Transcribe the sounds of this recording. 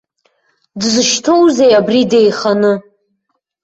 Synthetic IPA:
dzɨʃtʰo̞wzejabridejχanɨ

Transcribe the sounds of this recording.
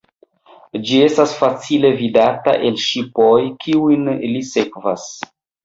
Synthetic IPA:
d͡ʒie̞stasfat͡sile̞vidata̰ʔe̞lʃipojkʰiujnlise̞kvas

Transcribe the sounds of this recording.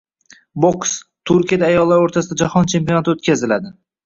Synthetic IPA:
bokst̪ʰʊɾkʲijad̪aːjɒlˠːaɾoɾt̪ʰasɪd̪ad͡ʒahɒnt͡ʃʰe̞mpijonat̪ʰɪot̪kʲazɪlad̪ɪ

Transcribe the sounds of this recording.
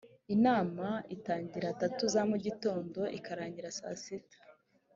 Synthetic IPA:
inaːmaitaːɲɟiɾatatuzamuɟito̞ːndo̞ʔikʰaɾaːɲɟiɾasa̰sitḁ

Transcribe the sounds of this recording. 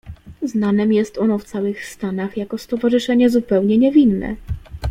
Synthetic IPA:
znanɛmjɛst̪ɔnɔft̪sawɘxst̪anaxjakɔst̪ɔvaʐɘʂɛɲɛzupɛwɲɛɲɛvʲinːɛ̰

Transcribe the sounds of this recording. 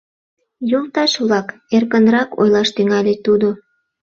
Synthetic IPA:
jolt̪ɑʃβlɑk | erkənrɑko̰jlɑʃt̪yŋɑlʲet̪ud̪o

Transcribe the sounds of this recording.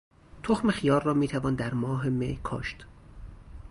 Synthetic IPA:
t̪ʰoxmexijɒːrːɒːmiːt̪ʰævɒːnd̪æɾmɒːɦe̞mḛjkʰɒ̰ːʃt̪

